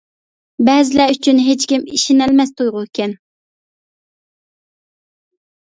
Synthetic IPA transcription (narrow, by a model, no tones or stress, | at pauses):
bɛzɪlɛyt͡ʃʰynɦet͡ʃkʲimiʃinɛlmɛst̪ʰojʁʊkʲɛn